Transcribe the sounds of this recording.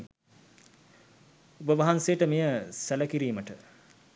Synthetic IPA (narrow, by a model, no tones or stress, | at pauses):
ubəʋɐɦansejːəʈəmijəsæləkiɾiːməʈə